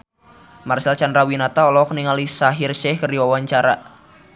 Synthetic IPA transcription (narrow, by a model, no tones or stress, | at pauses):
marsalt͡ʃandɾawinat̪aɔlɔkniŋalisaɦɪrsɛhkərdiwawaɲt͡ʃaɾa̰